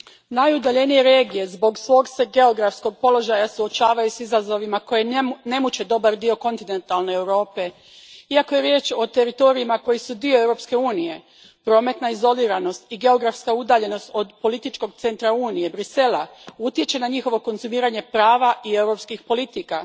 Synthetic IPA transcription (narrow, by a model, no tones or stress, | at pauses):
najud̪aʎe̞nije̞ɾe̞ːɡije̞zbo̞ɡsʋo̞ɡse̞ɡe̞o̞ɡɾafsko̞ɡ̚po̞lo̞ʒajasuot͡ʃaːʋajusizazo̞ʋimako̞je̞ne̞mut͡ɕe̞d̪o̞baɾd̪io̞ko̞nt̪ine̞nt̪alˠne̞ːwɾo̞ːpe̞ | iako̞je̞ɾje̞ːt͡ʃo̞t̪e̞ɾit̪o̞ɾiimako̞jisud̪ioe̞wɾo̞pske̞uːnije̞ | pɾo̞ːme̞t̪naizo̞liːɾano̞st̪iɡe̞o̞ɡɾafskaud̪aːʎe̞no̞st̪o̞d̪po̞lit̪it͡ʃko̞ɡ̚t̪se̞nt̪ɾauːnije̞bɾise̞lˠaut̪je̞t͡ɕe̞naɲixo̞ʋo̞ko̞nzumiːɾaɲe̞pɾaːʋaʔie̞wɾo̞pskixpo̞lit̪ika